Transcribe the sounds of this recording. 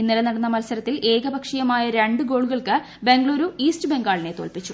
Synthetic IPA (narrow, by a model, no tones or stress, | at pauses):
inːilɐnɐɽɐnːɐmɐlsɐɾɐt̪ːilʔe̞ːɡɐbɐkʂɐjɐmaːjɐɾeɳɖɨɡo̞ːɭuɣɐɭkɨ | be̞ŋɡɭoːɾuiːstɨbe̞ŋɡaːɭine̞t̪oːlpit͡ɕːu